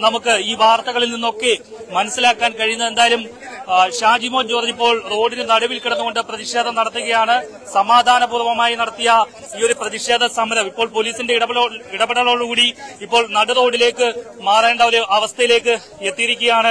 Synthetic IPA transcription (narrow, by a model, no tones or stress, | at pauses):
nɐmukːɨiːʋaːrt̪ɐɣɐɭilninːo̞kːemɐnɐsːilaːkːaːnkɐɻijunːɐðe̞nd̪aːjɐlumɕaːd͡ʑimo̞ːd͡ʑoːrip̬ːo̞ːɭro̞ːɽinɨnɐɽɐʋilkiɽɐnːuɣo̞ɳɖɨprɐðiʂe̞ːd̪ʱɐmnɐɽɐt̪ːuɣɐjaːɳɨ | sɐmaːd̪ʱaːnɐbuːrʋɐmaːjinɐɽɐt̪ːijɐ | iːo̞ɾuprɐðiʂe̞ːd̪ɐsɐmɐɾɐmipːo̞ːɭpo̞liːsinde̞iɽɐɐloiɽɐbeɽɐɭoːɭːkuːɽiipːoːɭnɐɽɨro̞ːɽile̞ːkːɨ | maːreːɳɖɐoɾuʔɐʋɐst̪ʰɐjile̞ːkːɨ | e̞t̪ːijiɾikʲːuɣɐjaːɳɨ